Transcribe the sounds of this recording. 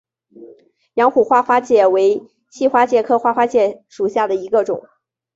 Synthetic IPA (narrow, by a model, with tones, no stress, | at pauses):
jɑ˧˥ŋxu˨˩xwa˥xwa˥t͡ɕjɛ˨˩we˧˥ɪ | t͡ɕʰi˥˩xwa˥t͡ɕjɛ˨˩kʰɤ˥˧xwa˥˩xwa˥t͡ɕjɛ˧˩ʂu˨˩ɕja˥˩d̪ə˩i˧˥ɡə˧ʈ͡ʂʊ̰˨˩˦ŋ